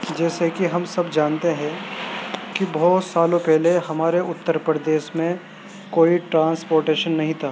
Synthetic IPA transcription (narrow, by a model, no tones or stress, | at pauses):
d͡ʒɛːsekiɦɐmsɐbd͡ʒaːnt̪eɦɛ̃ | kibɔːt̪saːlõpɛɦleɦɐmaːɾeʊt̪ːəɾpɾəd̪eːʃmẽ | koːiʈɾãːnspoːɾʈeːʃənːɐɦĩt̪ʰaː